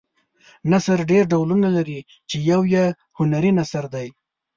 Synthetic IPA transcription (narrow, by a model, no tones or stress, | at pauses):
nasaɾɖeɾɖawlunalaɾi | t͡ʃejawja | hʊnaɾinasaɾd̪aj